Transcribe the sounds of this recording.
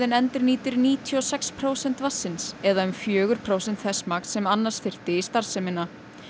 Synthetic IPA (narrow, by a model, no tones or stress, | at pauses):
ðɪnɛnt̪ɪɾniːt̪ɪɾniːt̪ʰiɔsɛkspʰɾoːwsɛn̥t̪vasːɪnsɛðaʏmfjœːɣʏɾ̥pʰɾowsɛnt̪θɛsmaːknsɛmanːasfɪr̥t̪ɪist̪aɾ̥sɛmɪnːa